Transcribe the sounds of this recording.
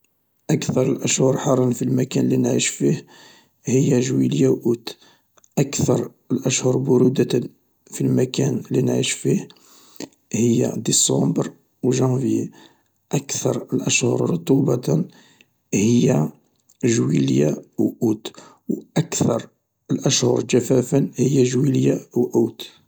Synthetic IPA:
ʔəkθɑɾˤəlʔəʃhʊɾˤħɑrˤɑnfilmækænlːinʕiʃfih | həjːæʒwiljawʔut̪ | ʔækt̪ɑɾˤ | əlʔəʃhʊɾˤbʊɾud̪ | filmækænlːinʕḭʃfih | həjːa̰d̪isˤɑ̃bɾ | wʒɑ̃vje | ʔækθɑɾˤəlʔəʃhʊ̰ɾˤɾʊt̪ˤubɑn | həjːa | ʒwiljawʔut̪ | wʔækθɑɾˤ | əlʔæʃhʊɾˤd͡ʒæfæfənhəjːæʒwiljawʔut̪

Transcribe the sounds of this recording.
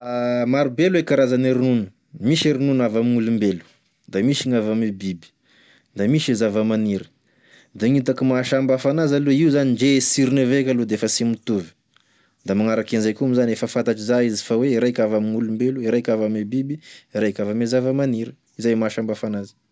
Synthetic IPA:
amaɾubelwekaɾazaneɾinunə̥ | miʃeɾinunavamiŋulumbelu̥ | d̪amiʃiŋavamibibi̥ | d̪amiʃizavamaniɾə̥ | d̪aŋit̪akimaʃambafanazaleiuzaniɳd͡ʒesiɾinevekʲalud̪eefəsimit̪uvi̥ | d̪amaŋaɾakenzajkumizanefəfant̪aʈ͡ʂizaizi̥faweiɾajkavamiŋulumbeluiɾajkʲavamibibiiɾajkʲavamezavamaniɾə | izajmaʃambafanazi̥

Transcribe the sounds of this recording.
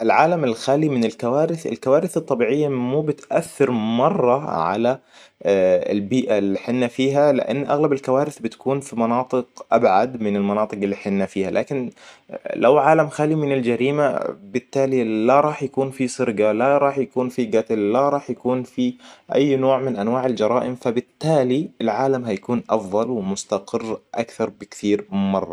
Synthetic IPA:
ʔɪlʕaːlamɪlxaːlimɪnɪlkawaːɾɪθɪ̰lkawaːɾɪθɨt̪ˤːɑbiːʕɪjːamuːbɪt̪ʔaθːɪɾmɑrˤːɑʕa̰la | ɪ̰lbiːʔalːiħɪnːafiːɦalɪ̰ʔa̰nːʔaɣlabɪlkawaːɾɪθbɪt̪ḁkuːnfimɑnɑːt̪ˤɨɡʔabʕad̪mɪnɪlmɑnɑːt̪ˤɨqɪlːiːħɪnːafiːhalʔaːkɪn | lawʕaːlamxalimɪnɪld͡ʒaɾiːma̰bɪt̪ːaːlilaɾˤɑːħjakuːnfisˤɨɾɡalaɾˤɑːħjakuːnfiɡat̪lːaɾˤɑːħjakuːnfiʔa̰jːnoːʕmɪnʔanwaːʕɪld͡ʒɑɾˤɑːʔɪmfabɪt̪ːaːliɪlʕaːlamɦajakuːnʔɑfðˤɑlwɪmʊst̪aqɪrːʔakθɑɾˤbɪkθiːɾmɑrˤːɑ̰

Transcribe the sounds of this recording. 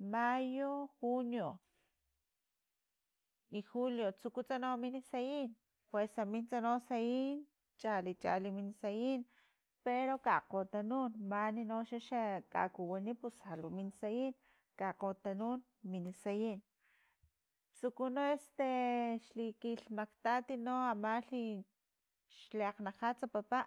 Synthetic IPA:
majoxunjo | ixuljot͡sukut͡sanominisajin | pwesamint͡sanosajin | t͡ʃalit͡ʃa̰liminsajin | peɾokaqot̪anunmaninoʃaʃaka̰kuwanipushaluminsajin | kaqot̪anun | minisajin | t͡sukunoest̪eʃlikiɬmakt̪at̪inoamaɬi | ʃleaqnaqat͡sapapaʔ

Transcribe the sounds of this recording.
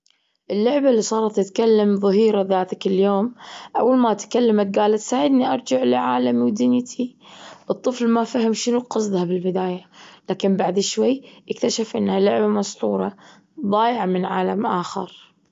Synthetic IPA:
ʔɪlːʊʕbalːisˤɑːɾˤɑt̪ːɪt̪kalːamðˤɨɦiːɾaðaːt̪akɪljoːmʔa̰wːalmaʔt̪kalːamat̪̚ɡaːlat̪saːʕɪd̪niʔɑɾˤd͡ʒaʕlɪʕaːlamiwd̪ɪnjt̪ʰibɨt̪ˤːɨflmafahɪmʃɪnuqɑsˤd̪ˤhabɪlbɪd̪aːjalaːkɪmbaʕd̪ɪʃwajːʔɪkt̪aʃafʔɪnːhalʊʕbamɑst̪ˤṵːɾˤɑ̰ | ðˤɑːjʕamɪnʕaːlamʔaːxɪ̰ɾ

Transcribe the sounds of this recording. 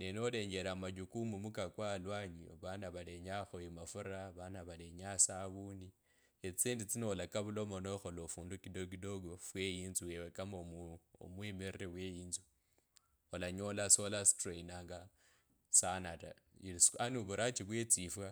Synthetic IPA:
nenole̞ːɲɡe̞ɾamaɟukumumukakwalwaɲioβanaβale̞ɲaxoemafuɾaβanaβaleɲasaːβuːndi | et͡siːndit͡sinolakaβulo̞mo̞noxo̞lofuːndukidoɡidoɡofwejiːnzuwewekamomo̰mwemerrewejiːnzu | olaɲo̞laso̞lastreinaːŋɡa | sanata̰isanuβuɾat͡ʃiβwet͡sifwa

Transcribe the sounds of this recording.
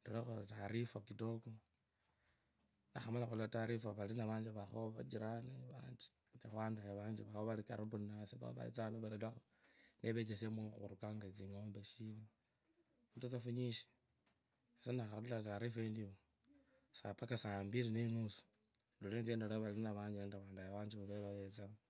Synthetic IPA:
ndolaxotaɾifokitoko | naxamalaxuliβataɾifaβalinaβaːɲd͡ʒβaxoβad͡ʒiɾaneβand͡ʒi̥ | nexwaːndajaβaːɲd͡ʒiβahoβalikaɾuβunasiβa̰βa̰ḭt͡sanoβalalaxo | nʔeβe̞t͡ʃesemuxṵɾukaŋɡat͡siŋo̞ːmbeʃino | utat͡safuɲiʃi̥ | esanaxailataɾifendiβo | sapakasaːmbiɾinenusu̥ | nduleːnt͡sendalaβalilinaβaːɲd͡ʒiandaβaːndajaβaːɲd͡ʒiβaβeβaβet͡sa

